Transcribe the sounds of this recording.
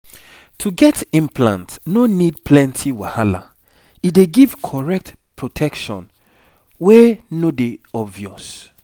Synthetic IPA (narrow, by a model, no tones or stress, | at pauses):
tʰuɡɛtĩmplã̰ntnonid̚pʰlɛ̃ntʰiwahala̰ | ideɡiv̥kʰɔɹɛk̚t | pʰɹotʰɛkʃɔ̰̃n | wɛnodeɔbvjɔs